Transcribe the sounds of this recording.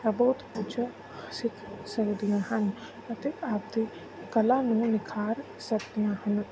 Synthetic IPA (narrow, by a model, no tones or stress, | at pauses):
ɐboːt̪put͡ʃʰə | hɐsɪk̪sɐɾd̪ijãːɦɐn | ɐt̪eaːpd̪i | kɐlãnũnɪkʰaːɾ | sɐɾd̪ijãːɦɐn